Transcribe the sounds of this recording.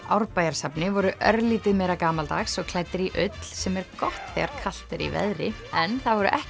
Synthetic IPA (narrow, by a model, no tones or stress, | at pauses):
awɾpaːjaɾ̥sapnɪvɔɾʏʔœ̰ɾliːt̪ɪðmɛjɾakaːmalt̪axsɔɣkʰlajt̪ɪɾiʔʏt̪l̥sɛmɛɾkɔht̪θɛ̰ɣaɾ̥kʰal̥t̪ɪɾḭvɛ̰ðɾɪ | ɛnθaðvɔɾʏ̰ʔɛh